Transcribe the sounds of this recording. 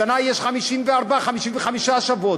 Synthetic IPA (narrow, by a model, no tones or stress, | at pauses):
anajjɛʃχamiʃinvɛaɾbaχamiʃinvɛχamiʃaʃavɔ